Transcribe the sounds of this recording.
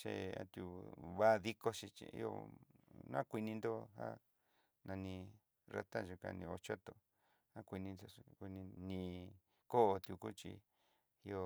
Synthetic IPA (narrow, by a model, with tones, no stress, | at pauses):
t͡ʃe˧a̰˧t̪ju˧βa˦˧ði˦ko˧ʃi˧t͡ʃḭ˧ḭ˦o̰˧nã˦kʷi˧nĩ˧nd̪o˦ha̰˦ | nã˧nĩ˧ | ra̰˦t̪a˦ʒu˧ka̰˧nĩ˧o˧t͡ʃo˦t̪o˨ | a˦kʷi˧nĩ˧nd̪o˧kʷi˧nĩ˧nĩ˧ | ko˦˧t̪ju˧ku˦t͡ʃḭ˧ | i˧o˧